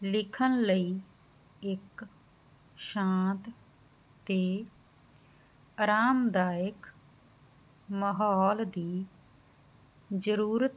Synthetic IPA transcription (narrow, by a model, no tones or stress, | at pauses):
lɪkʰənləiː | ɪk | ʃãːt̪ | t̪eː | əɾaːmd̪aːɪk | məɦɔːld̪iː | d͡ʒəɾuːɾət̪